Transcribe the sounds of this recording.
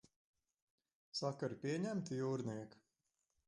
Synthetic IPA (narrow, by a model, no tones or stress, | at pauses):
sakaɾpʲiɛɲæmt̪juːɾniɛk